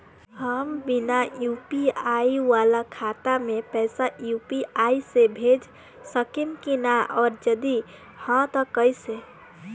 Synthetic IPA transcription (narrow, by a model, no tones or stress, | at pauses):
həmbinajupiaijwalakʰat̪amepɛɪsajupiaisebʱed͡ʒ | səkimkinaʔɔːɾd͡ʒəd̪i | hə̃t̪əkəjsẽ